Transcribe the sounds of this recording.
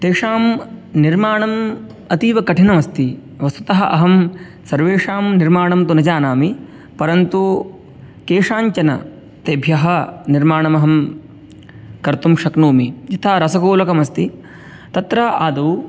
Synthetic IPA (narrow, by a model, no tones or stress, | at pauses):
t̪eːʂaːmniɾmaːɳɐm | ɐt̪iːʋɐkɐʈʰinɐmɐst̪i | ʋɐst̪ut̪ɐɦɐʔɐ̰ɦɐm | sɐɾʋeːʂaːmniɾmaːɳɐmt̪unɐd͡ʒaːnaːmi | pɐɾɐnt̪u | keːʂaːɲt͡ʃɐnɐ̰ | t̪eːbʱjɐɦɐniɾmaːɳɐmɐɦɐm | kɐɾt̪umʃɐknuːmijit̪ʰaːɾɐsɐkoːlɐkɐmɐst̪i | t̪ɐt̪ɾɐʔaːd̪uw